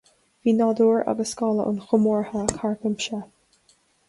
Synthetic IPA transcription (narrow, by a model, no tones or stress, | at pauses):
viːnɑd̪uːɹa̰ɡəskɑlə̰ʔʊ̰nxʊmɔːɹhakʰaɹkəmʃɛ